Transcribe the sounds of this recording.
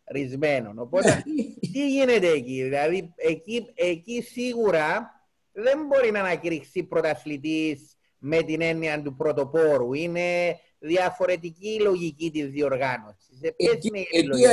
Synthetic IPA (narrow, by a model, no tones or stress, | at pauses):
ɾizme̞nono̞pot̪et̪iʝinet̪eːciðilɐðieciecisiɣuɾɐ | ðe̞mbo̞ɾinɐnɐciɾixsipɾo̞t̪ɐθlit̪̬is | me̞t̪ine̞nːiɐnd̪upɾo̞t̪o̞po̞ɾuine̞ | ðiɐfo̞ɾe̞t̪̬iciːlo̞ʝicit̪izðio̞ɾɣɐno̞sis̬epesinel